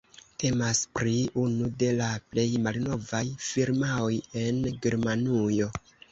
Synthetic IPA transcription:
tʰe̞maspɾiunude̞laple̞jmalno̞vajfiɾmao̞je̞nɡe̞ɾmanujo̞

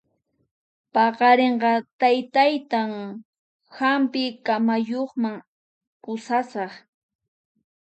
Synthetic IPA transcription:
pɑqɑɾeɴɢɑt̪ajt̪ajt̪aŋ | hampɪkamajoχmaŋ | kʊsasɑχ

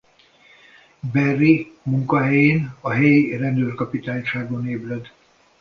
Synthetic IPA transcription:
bɛrːimuŋkɒɦɛjeːnɒɦɛjirɛnd̪øːrkɒpit̪aːɲʃaːɡoneːblɛd̪

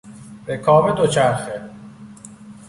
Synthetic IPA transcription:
bekʰɒːbed̪ot͡ʃʰæɾxe

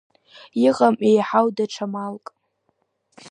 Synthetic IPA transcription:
iʁʼamʔejħawdaʈ͡ʂʰamalkʼ

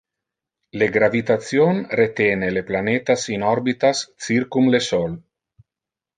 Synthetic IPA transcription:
leɡɾavit̪at̪sjonret̪eːneleplanet̪asinɔɾbit̪ast͡sirkumlesɔl

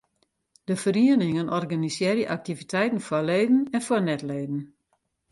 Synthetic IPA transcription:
d̥əfəriənɪŋənʔɔrɡanisjɛɾjəʔak̚tivitʰɛjtn̩fɔleːdn̩ɛnfɔnɛtleːdn̩

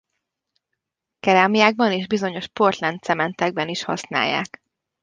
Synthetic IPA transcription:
kɛɾaːmijaːɡ̚bɒneːʒbizo̞ɲo̞ʃpo̞rt̪lɛnt̪sɛmɛnt̪ɛɡ̚bɛniʃhɒ̰sna̰ːjːa̰ːk

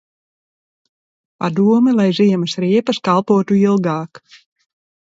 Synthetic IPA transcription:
pa̰d̪uɔmɛlˠajziɛmɨsɾiɛpɐskalˠpuɔt̪uilˠɡɑːk

